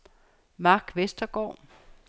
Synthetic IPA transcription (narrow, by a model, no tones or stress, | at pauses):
mɑ̈ːɡ̥ʋesd̥ɐɡ̥ɒ̰ː